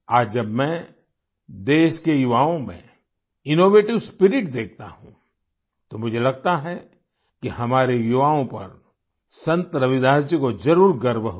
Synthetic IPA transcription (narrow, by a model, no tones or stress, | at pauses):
aːd͡ʒd͡ʒɐbmɛ̃ | d̪eːʃkejuʋaːõmḛ̃ | ɪnoːʋeːʈɪʋspɪɾɪʈd̪eːk̚ʰt̪a̰ɦṵ̃ | t̪omʊd͡ʒʱelɐɡ̚t̪aɦɛ | kihɐmaːɾejuʋaːõpɐ̰ɾ | sɐ̃nt̪ɾɐʋɪd̪aːd͡ʒikozɐɾuːɾɡɐɾbɦ